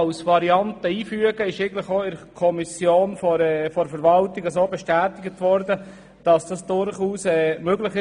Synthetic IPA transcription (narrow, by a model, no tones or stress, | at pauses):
lsvɑɾiɑntəiːfyəɡəɪʃeɪɡən̩tlɪχoːɪɾkʰɔmisjoːnfɔɛfɔɾfəɾvɑltɪɡəs̬oːbɛʃtæːtɪɡətʋɔɾdə | d̥ɑsd̥ɑsd̥ʊɾχuːsɛːmøɡlɪχɪ